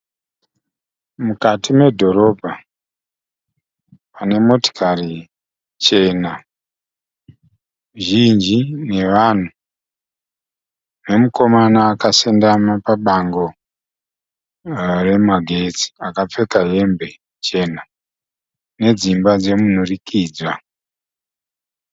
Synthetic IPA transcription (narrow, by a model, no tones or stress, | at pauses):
mukatimwe̞dʱo̞ɾo̞bʱa | pane̞mo̞ti̥kʰari | t͡ʃe̞na | ʒind͡ʒine̞ʋan̤u | ne̞muko̞manaːkasendamapaɓaŋɡo̞ | re̞maɡʱe̞t͡si̥akap͡fe̞kaɦe̞mbe̞ | t͡ʃe̞na | ne̞d͡zimbad͡ze̞mun̤urikʰiːd͡zwa